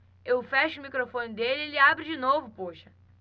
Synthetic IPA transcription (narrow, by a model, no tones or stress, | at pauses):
ewfɛʃʊːmikɾofõnɪd̪elɪelɪabɾɪd͡ʒɪnovʊpoʃɐ̥